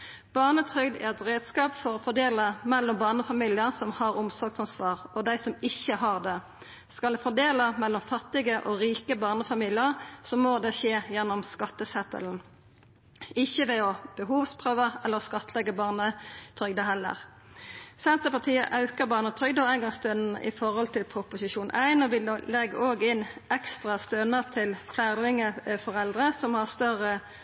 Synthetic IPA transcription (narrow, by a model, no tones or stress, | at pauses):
b̥ɑʁnət̪ʰʁʏɡd̪æ̰ɛt̪ʁeːd̪skɑːpfɔʁɔfɔd̪eːləmɛlːɔmbɑːʁnəfɑmiːlɪəʁsɔmhɑʁʊmsɔɡ̚t̪ɑnsʋɑːʁʔɔd̪æɪsɔmɪçːəɦɑʁd̪ɛ | skɑlɛfɔd̪eːləmɛlːɔmfɑt̪ːɪɡəʔɔʁiːkəbɑːʁnəfɑmiːlɪəʁsɔmoːd̪ɛʃeːjɛnːɔmskɑt̪ːəsɛt̪ə̰ln̩ | ɪçəʋɛɔb̥əɦuːʋspʰʁøːʋəɛlːəskɑt̪ːəlɛɡəbɑːʁnət̪ʰʁʏɡd̪əɦɛlːə̰ʁ | sɛnt̪əpɑʁt̪ʰiːə̰ʔɑʉkəʁbɑːʁnət̪ʰʁʏɡd̪əæɪnɡɑŋst̪ønən̩ə̰ʔɪ̰fɔʁhɔlt̪ʰɪlpʰʁʊpʊsɪʃuːnʔæɪnɔʋɪlɛɡːoːɡɪnɛkst̪ʁɑst̪ønəʁt̪ʰɪlfʰlæd̪ɪŋəfɔʁɛld̪ʁəsɔmhɑʁst̪œʁə